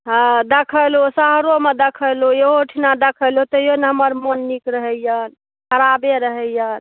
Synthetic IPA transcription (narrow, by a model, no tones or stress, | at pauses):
ɦãd̪ekʰəlosəɦɾomed̪ekʰəlojeɦoʈʰinad̪ekʰəlot̪əjoneɦəməɾmonːikɾəɦəjjən | kʰəɾabeɾəɦəjjən